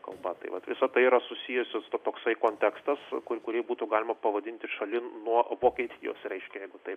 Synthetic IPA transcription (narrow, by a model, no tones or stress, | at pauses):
kɐ̰lˠbɐt̪ɐ̰ɪʋɐt̪ʋʲɪsɐt̪ɐɪiɾɐsʊsʲiːjʊsʲɪst̪ot̪oːksɐɪkoːnʲt̪ʲækst̪ɐskʊkʊɾʲiɛbuːt̪uɡɑːlʲɪmɐpɐʋɐd̪ʲɪnʲt̪ʲɪʃɐlʲɪnuɔʋoːkʲiɛt̪ʲijo̰ːsɾʲɛɪʃʲkʲɛjɛɪɡʊt̪ɐɪp